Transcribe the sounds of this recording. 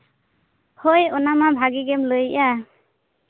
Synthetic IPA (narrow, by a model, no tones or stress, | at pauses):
hojɔnamabʱaɡiɡɛmlojʔa